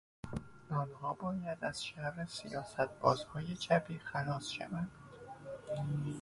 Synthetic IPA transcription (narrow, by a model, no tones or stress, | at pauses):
d̪ɒːnhɒːbɒːjæd̪æz̥ʃæɾesijɒːsæt̪̚ʰb̥ɒ̰ːzhɒːjet͡ʃʰæpʰiːxænɒːsʃæ̰vænd̪̥